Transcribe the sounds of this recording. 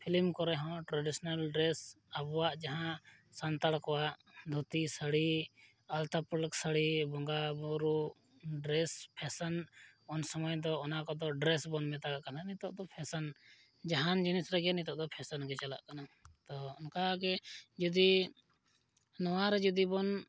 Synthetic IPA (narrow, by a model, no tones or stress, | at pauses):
pʰilmkɔɾɛɦɔ̃ʈɾaɖisɔnalɖɾɛs | abwaʔd͡ʒaɦã | sant̪aɽkɔwaʔd̪ʱut̪isəɽi | alt̪apɾlksəɽibɔŋɡabɔɾu | ɖɾɛspʰɛsənɔnsɔmɔjd̪ɔɔnakɔd̪ɔɖɾɛsbɔnmɛ̃t̪akaʔkananit̪ɔʔd̪ɔpʰɛsən | d͡ʒaɦand͡ʒinisɾɛɡɛnit̪ɔʔd̪ɔpʰɛsənɡɛt͡ʃala̰ʔkanat̪ɔɔnkaɡɛd͡ʒɔd̪i | nɔwaɾɛd͡ʒud̪ibɔn